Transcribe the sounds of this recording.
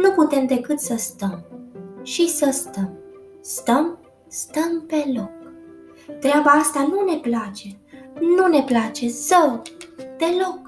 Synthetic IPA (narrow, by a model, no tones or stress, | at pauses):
nuput̪e̞md̪e̞kɨt̪səst̪əmʃisəst̪əm | st̪əm | st̪əmpe̞lo̞k̚ | t̪ɾeabaast̪anune̞plat͡ʃe̞nune̞plat͡ʃe̞səwd̪e̞lo̞k